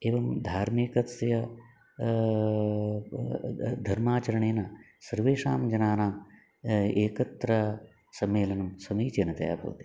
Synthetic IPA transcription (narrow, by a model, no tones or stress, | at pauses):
eːʋɐmd̪ʱaːɾmikɐt̪sjɐ | d̪ʱɐɾmaːt͡ʃɐɾɐɳ̃eːna | sɐɾʋeːʂaːmd͡ʒɐnaːnaːm | eːkɐt̪ːɾa | sɐmːeːlɐnɐmsɐmiːt͡ʃɐnɐt̪ɐja̰ːbʱo̰ːt̪i